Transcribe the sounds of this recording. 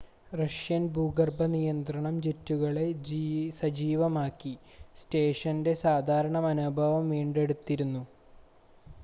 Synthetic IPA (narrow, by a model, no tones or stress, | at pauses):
rɐʂjɐnbʱuːɡɐrbʱɐnijɐnt̪rɐɳɐmt͡ɕetːuɣɐɭe̞d͡ʑsɐd͡ʑiːʋɐmaːkːi | ste̞ːʂɐnde̞saːd̪ʱaːɾɐɳɐmɐnubʱɐʋɐmʋiːɳɖe̞ɽut̪ːiɾunːu